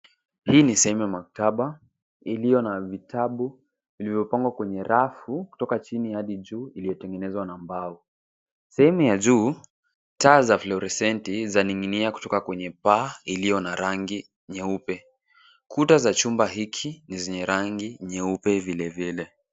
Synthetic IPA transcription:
hiːnisɛhɛmujamak̚taɓa | ilijɔnavitʰaɓu | vilivjɔpaŋɡwakwɛɲɛɾafuku̥tɔkat͡ʃinijaɗiʄuːilijɔtɛŋɡɛnɛzwanambau | sɛhɛmujaʄuː | taːzaflɔɾɛsɛntizaniŋiniaku̥tɔkakwɛɲɛpailijɔnaɾaŋɡi | ɲɛupɛ | kʰutazat͡ʃumbaɦikʰinizɛɲɛɾaŋɡiɲɛupɛvilɛvilɛ

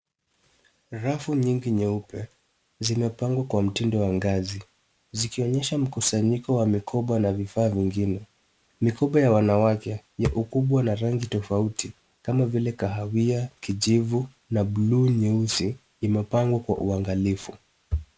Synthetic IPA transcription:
ɾafuɲiŋɡiɲɛupɛ | zimɛpaŋɡwakwam̩tindɔwaŋɡazi | zikiɔɲɛʃam̩kusaɲikɔwamikʰɔɓanavifaːviŋɡinɛ | mikɔɓajawanawakɛjaʔukuɓwanaɾaŋɡitɔfautʰi | kamavilɛkaɦawiakiʄivu | naɓluːɲɛusiː | mɛpaŋɡwakwa̰ʔuaŋɡalifu

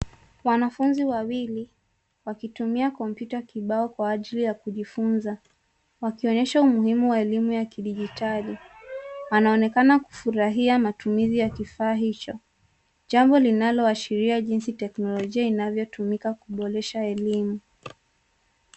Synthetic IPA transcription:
wanafunziwawili | wakitumiakɔmpjutakiɓaɔkwaːʄilijakuʄifunza | wakiɔɲɛʃaumuhimuwaɛlimujakiɗiʄitali | wanaɔnɛkanaku̥fuɾaɦiamatumizijakifaːɦit͡ʃɔ | ʄambɔlinalɔaʃiɾiaʄinsitɛknɔlɔʄiainavjɔtumikakuɓɔɾɛʃaɛlimu

